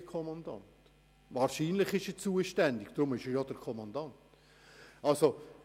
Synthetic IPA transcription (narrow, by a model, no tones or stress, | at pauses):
kʰɔmɑnd̥̪ɑ̰nt | ʋɑːɾʃiːnləχɪʃət͡suːəʃtændɪɡ̥d̥̪ɾʊmɪʃəjɔd̥əɾkʰɔmɑndɑnt | ɑlso